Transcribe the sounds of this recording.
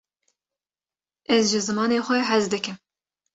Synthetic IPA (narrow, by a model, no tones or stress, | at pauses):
ɛzʒɨzɨmɑːneːxʷɛɦæzd̪ɨkɨm